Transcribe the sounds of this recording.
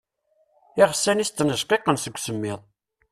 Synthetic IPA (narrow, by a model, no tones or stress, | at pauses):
iʁsːænist̪ːənəʒqeqənsəɡʷːsəmːɪðˤ